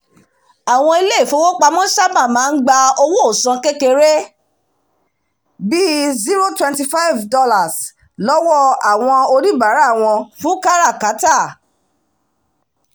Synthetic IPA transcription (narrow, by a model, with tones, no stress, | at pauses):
a˨w̃ɔ̃˧i˧le˦˨fo˨˦wo˦k͡pa˧mɔ̃˦ʃa˦bã˦˨mãː˨˦n̩˦ɡ͡ba˧o˧wo˦o˦˨sɔ̃˧ke˦ke˧ɾe˦ | bi˦zi˦ɾo˦twɛ̃˧nti˧fa˦jvdɔ˦la˨s | lɔ˦wɔ˦a˨w̃ɔ̃˧o˧ɾi˦ba˨˦ɾa˦˨w̃ɔ̃˧fũ˦ka˦ɾa˦˨ka˨˦ta˦˨